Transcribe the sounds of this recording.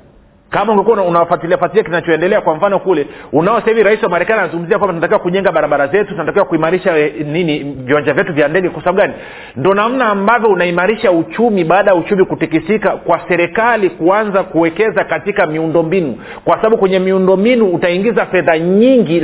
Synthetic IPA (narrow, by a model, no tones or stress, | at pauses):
kamauŋɡɛkuaunawafatiliafatiliakinat͡ʃɔɛndɛlɛakwam̩fanɔkulɛunaɔsahiviɾaisiwamaɾɛkanianazuŋɡum̩ziakwambatunatakiwakuʄɛŋɡaɓaɾaɓaɾazɛtutunatakiɛwakuimaɾiʃaniniviwaɲd͡ʒavjɛtuvjandɛɡɛkwasaɓaɓuɡani | ndɔnam̩naːmbavjɔunaimaɾiʃaut͡ʃumiɓaːɗajaut͡ʃumikutikisikakwasɛɾɛkalikuanzakuwɛkɛzakatikamiundɔmbinṵ | kwasaɓaɓukwɛɲɛmiundɔmbinuːtaiŋɡizafɛðaɲiŋɡi